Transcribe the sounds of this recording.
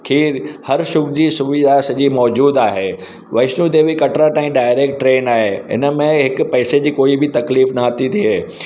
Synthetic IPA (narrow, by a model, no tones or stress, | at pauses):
kʰiːɾhɐɾʃʊkd͡ʑiːsʊʋid̪ʱasɐʄiːmɔːd͡ʑuːd̪aːɦeː | ʋɐɪʃnud̪eːʋikɐʈɾaʈaːĩɖaːɪɾeːk̚ʈːɾeːnaːɦeːɦɪ̰nə̆mẽɦɪkʊ̆pɛːsed͡ʑiːkoːibɪt̪ɐkliːfnat̪ʰit̪ʰiɦeː